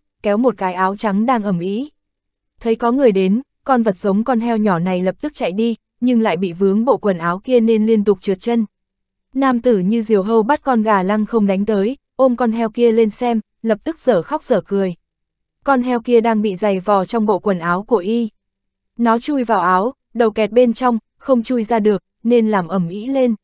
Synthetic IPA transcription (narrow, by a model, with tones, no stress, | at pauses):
kɛ˨˦wmo˨˩t̚kaː˨˦jʔaː˨˦wt͡ɕa˨˦ŋɗaː˧ŋʔə˨˧˩mʔḭ˧˥ | t̪ʰə˨˦jkɔ˨˦ŋɨ˨˩əjɗe˨˦n | kɔ˧nvə˨˩t̚sə˨˦wŋ͡mkɔ˧nɦɛ˧wɲɔ˧˩na˨˩jlə˨˩p̚t̪ɨ˦˥k̚t͡ɕa̰˧˨jɗi˧ | ɲɨ˧ŋla̰ː˧˨jɓḭ˧˨vɨ˨˦əŋɓo̰˧˨kwə˨˩nʔaː˨˦wki˧əne˧nli˧ənt̪ʊ˨˩k͡p̚t͡ɕɨ˨˩t̚t͡ɕə˧n | naː˧˩mt̪ɨ˧˩ɲɨ˧zi˨˩əwɦə˧wɓa˦˥t̚kɔ˧nɣaː˨˩la˧ŋxə˧wŋ͡mɗa˨˦jŋ̟t̪əː˨˦j | ʔo˧mkɔ˧nɦɛ˧wki˧əle˧nsɛ˧m | lə˨˩p̚t̪ɨ˦˥k̚z̥əː˧˩xa˦˥k͡p̚zəː˧˩kɨ˨˩əj | kɔ˧nɦɛ˧wki˧əɗaː˧ŋɓḭ˧˨za˨˩jvɔ˨˩t͡ɕɔ˧wŋ͡mɓo̰˧˨kwə˨˩nʔaː˨˦wku˧˩əʔi˧ | nɔ˨˦t͡ɕu˧jvaː˨˩wʔaː˨˦w | ɗə˨˩wkɛ˨˩t̚ɓe˧nt͡ɕɔ˧wŋ͡m | xə˧wŋ͡mt͡ɕu˧jzaː˧ɗɨ˨˩ək̚ne˧nlaː˨˩mʔə˨˧˩mʔḭ˧˥le˧n